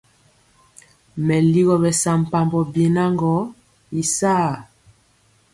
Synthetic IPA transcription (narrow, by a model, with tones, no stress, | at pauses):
mɛ˨li˦ɣɔ˨bɛ˨sa˨m̩˨pa˨mbɔ˨bje˨na˦ŋɡɔ˨˦ | i˨sa˦˨